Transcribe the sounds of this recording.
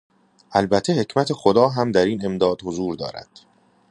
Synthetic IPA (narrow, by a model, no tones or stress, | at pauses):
ʔælbæt̪ʰːe̞he̞cʰmæt̪ʰe̞xod̪ɒːɦæmd̪æɾiːne̞md̪ɒːd̪̥hozuːɾd̪ɒ̰ːɾæ̰d̪̥